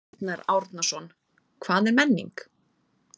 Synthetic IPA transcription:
t̪naɾa̰wɾt̪nasɔn | kʰvaːðɛɾmɛnːḭŋk

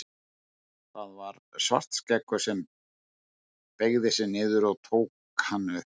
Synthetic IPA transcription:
θaðvaɾ | sva̰r̥t̪scɛkːʏsɛm | peɣðɪsɪnɪːðʏɾɔɣt̪ʰoːwk | hanːʏ

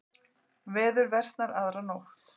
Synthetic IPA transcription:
vɛːðʏɾvɛr̥st̪naɾaðɾanowht̪

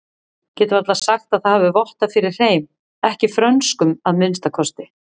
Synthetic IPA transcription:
cɛːt̪ʏvaɾt̪lasaxt̪aðθaðhavʏvɔht̪afɪɾɪɾ̥heːjm | ɛhcɪfɾœnskʏmaðmɪnst̪akʰɔst̪ɪ

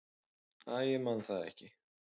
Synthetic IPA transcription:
aːjɛmanθaðɛ̰hcɪ

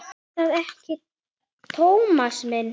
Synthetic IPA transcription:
aðɛhcɪ | t̪ʰowmasmɛnː

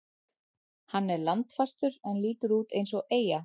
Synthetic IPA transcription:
hanːɛɾlant̪fast̪ʏɾɛnliːt̪ʏɾuːt̪ejns̬ɔʔeːja

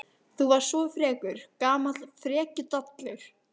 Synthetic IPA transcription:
θuvaɾ̥svɔfɾɛːkʏɾ̥kaːmalfɾɛːcʏt̪ɔt̪lʏɾ̥

